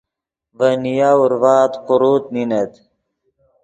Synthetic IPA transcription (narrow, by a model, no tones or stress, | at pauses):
vənijaːuɾvaːt̪qʊɾut̪̚ninet̪